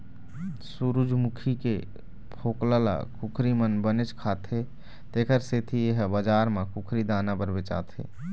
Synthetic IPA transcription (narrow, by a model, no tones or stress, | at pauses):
suɾud͡ʒmukʰike | pʰoːklala̰kukʰɾimənbənet͡ʃkʰaːt̪ʰe | t̪ekəɾset̪ʰijeɦbəd͡ʒaːɾmakukʰɾid̪aːnabəɾbet͡ʃa̰ːt̪ʰḛː